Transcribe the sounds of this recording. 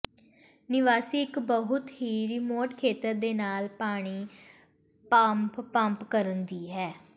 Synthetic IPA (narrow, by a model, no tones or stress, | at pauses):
nɪʋaːsiːɪkbəɦʊt̪ɦiːɾɪmoːʈkʰeːt̪əɾd̪eːnaːlpaːɽ̃iː | pəmppəmpkəɾənd̪iːɦɛː